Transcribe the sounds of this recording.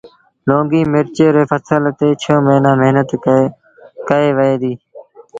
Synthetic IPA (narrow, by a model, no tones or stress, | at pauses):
lõːɡiːmɪɾt͡ʃeːɾeːfəsəlt̪eːt͡ʃʰõːmeːnãːmɪɦnət̪ | kəeːʋəeːd̪iː